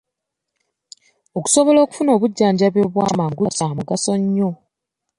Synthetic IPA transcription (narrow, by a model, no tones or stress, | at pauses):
oku̥so̞βo̞lo̞ːku̥funo̞ːβuɟːaːɲɟaβjo̞βwaːmaːŋɡuasamuɡaso̞ɲːo